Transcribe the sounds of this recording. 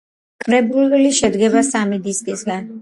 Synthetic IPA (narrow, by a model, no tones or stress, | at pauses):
kʼɾɛbulɛliʃɛd̪ɡɛβasamid̪iskʼisɡan